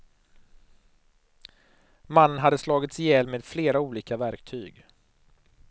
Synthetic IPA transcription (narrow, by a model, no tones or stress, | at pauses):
manːənɦad̪ːəslɑːɡɪt̪sjɛlmeːd̪̥fleːɾauːliːkavæɾkt̪ʰyːɡ